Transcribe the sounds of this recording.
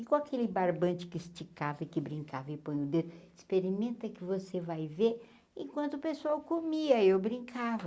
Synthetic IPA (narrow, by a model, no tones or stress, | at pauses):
ikõakʰelɪbaɾbɐ̃t͡ʃɪ̥kɪst͡ʃikavɐɪkɪbɾĩŋkavɐɪpõj̃ʊd̪ed̪ʊɪspeɾimẽnt̪ɐkɪvosevajveɾ | ẽkwɐ̃nt̪ʊpesuawkomiɐewbɾĩŋkavɐ